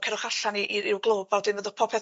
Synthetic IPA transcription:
kʰɛɾʊχaɬaniʔiɾɪwɡlˠoːbawdɪnvəðɔ̥pʰɔpʰɛ

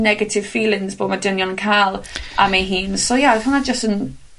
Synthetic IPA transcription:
nɛɡətʰɪv̥fiːlˠɪ̃ŋzboːdmadənjɔnənkʰalˠa̰meɦiːnsojahʊnad͡ʒəstən

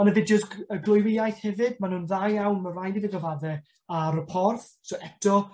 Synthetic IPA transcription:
ɔnəvɪd̚d͡ʒəsəɡlˠʊjvɪjajθhɛvɨdmanhuːnðajawnmərajdiðəɡəvaðɛ | aɾəpʰɔrθ | sɔʔɛk̚tʰɔ

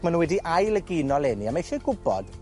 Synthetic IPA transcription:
manunwɛdiʔajlˠəɡɪnɔlˠɛniamejʃɛɡʊbɔ̰d̥

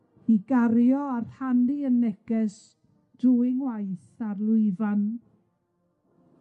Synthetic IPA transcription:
iɡaɾjɔarhandiənːɛkɛs | d̥ʊɪŋwajθarlˠʊɨvan

